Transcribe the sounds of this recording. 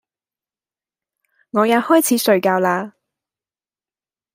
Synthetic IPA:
ŋɔː˨˧jɐ˨˥t̚hɔː˥jt͡sʰiː˨˥sɵ˨˧ɥkaː˧wlaː˧

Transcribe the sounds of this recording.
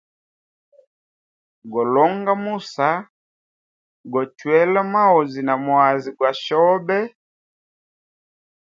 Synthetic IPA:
ɡɔ˨lɔ˦ŋɡa˦mu˦˨sa˨˦ | ɡɔ˨twɛ˦la˦ma˦ɔ˨zi˨na˨mwa˨zi˨kwa˨ʃɔ˦bɛ˦

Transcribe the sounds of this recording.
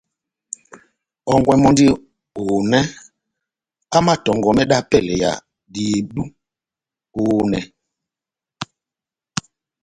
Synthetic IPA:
ɔ˨ŋɡwɛ˨mɔ˦ndi˦ | o˨nɛ˦ | a˦ma˦tɔ˨ŋɡɔ˨mɛ˦ɗa˦pɛ˦˨lɛ˨ja̰˨ | di˨e˨ɗu˦ | o˨nɛ˨

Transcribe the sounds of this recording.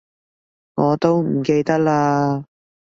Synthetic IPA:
ŋɔː˨˧t̪o˥wm̩˨˩ke˧jt̪ɐ˥k̚laː˧

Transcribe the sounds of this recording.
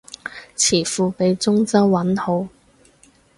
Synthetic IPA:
t͡sʰiː˨˩fuː˧pe˨˧jt͡sʊ˥ŋt͡sɐ˥wːɐ˨˥nho˨˥w

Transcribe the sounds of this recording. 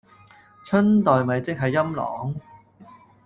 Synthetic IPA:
t͡ʃʰɵ˥nt̪ɔː˨jmɐ˨˧jt͡sɪ˥k̚ɦɐ˨jːɐ˥mlɔ̰ː˨˩ŋ

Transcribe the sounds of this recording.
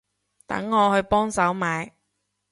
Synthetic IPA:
t̪ɐ̰˨˥ŋːɔː˨˧hɵ˧ɥpɔː˥ŋsɐ˨˥wmaː˨˧j

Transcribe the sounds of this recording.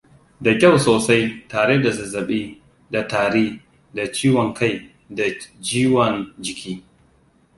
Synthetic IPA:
da˨kʲa˦˨wsoː˨sa˦jtaː˨ɽeː˦da˨sɐ˨zɐ˨ɓiː˦ | da˨taː˨ɾiː˦ | da˨t͡ʃiː˦wɔ˨ŋka˦j | da˨d͡ʒiː˦wɔ˨nd͡ʒɪ˨kʲiː˦

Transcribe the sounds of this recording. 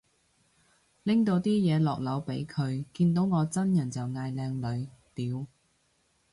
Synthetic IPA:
lɪ˥ŋt̪o˧wt̪iː˥jɛː˨˧lɔː˨k̚lɐ˨˥wpe˨˥jkʰɵ˨˧ɥkiː˧nt̪o˨˥wŋɔː˨˧t͡sɐ˥njɐ˨˩nt͡sɐ˨wŋaː˧jlɛː˧ŋlɵ˨˧ɥt̪iː˨˥w

